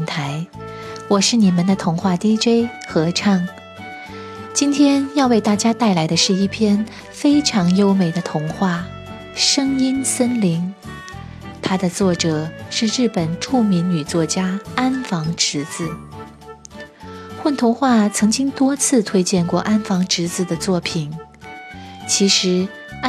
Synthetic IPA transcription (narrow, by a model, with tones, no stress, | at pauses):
nt̪ʰa˧˥ɪwɔ˨˩ʂɻ̩˥˩ni˨˩mə˧˦nd̪ə˨t̪ʰʊ˧˥ŋxwa˥˩t̪i˥ʈ͡ʂwe˥˩ɪxɤ˧˥ʈ͡ʂʰɑ˥˩ŋ | t͡ɕi˥nt̪ʰjɛ˥njɑ˥˧ʊwe˥˩ɪt̪a˥˩t͡ɕja˥t̪a˥˩ɪla˧˥ɪd̪ə˧ʂɻ̩˥˧i˥˩pʰjɛ˥n | fe˥ɪʈ͡ʂʰɑ˧˥ŋjo˥ʊme˨˩ɪd̪ə˦t̪ʰʊ˧˥ŋxwa˥˩ | ʂɤ˥ŋi˥nswə˥nli˧˥ŋ | t̪ʰa˥d̪ə˨t͡swɔ˥˩ʈ͡ʂɤ˨˩ʂɻ̩˥˧ɻɻ̩˥˩pə˨˩nʈ͡ʂʰu˥˩mi˧˥nny˨˩t͡swɔ˥˩t͡ɕja˥a˥nfɑ˧˥ŋʈ͡ʂɻ̩˧˥t͡sɹ̩˨˩˦ | xwə˥˩nt̪ʰʊ˧˥ŋxwa˥˩t͡sʰɤ˧˥ŋt͡ɕi˥ŋt̪wɔ˥t͡sʰɹ̩˥˧t̪ʰwe˥ɪt͡ɕjɛ˥˧nkwɔ˥˩ʔa˥nfɑ˧˥ŋʈ͡ʂɻ̩˧˥t͡sɹ̩˧˩d̪ə˩t͡swɔ˥˩pʰi˨˩n | t͡ɕʰi˧˥ʂɻ̩˧˥